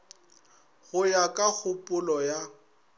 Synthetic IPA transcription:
ɣʊjakʼak͡xʰʊpʼʊlɔja

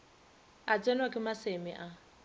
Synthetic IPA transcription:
at͡sʼɛnwakʼɪmasemḭʔa

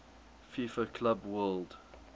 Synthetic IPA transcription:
fifəkʰlabwɜld

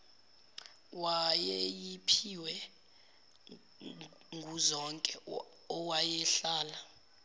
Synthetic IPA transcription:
wajɛejipʰiwɛ | ŋɡʱuzɔŋkʼɛ | ɔwajɛɬaːla

